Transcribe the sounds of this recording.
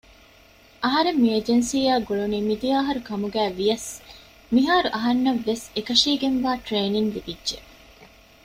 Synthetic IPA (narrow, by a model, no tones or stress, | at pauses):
ʔɐɦɐɾemːiɐd͡ʒensiːjaːɡoɭuniːmid̪ijaːɦɐɾukɐmuɡæːʋijɐs | miɦaːɾuʔɐɦɐnːɐʋːesekɐʂiːɡenʋaːʈɾeːniŋlibidːʒe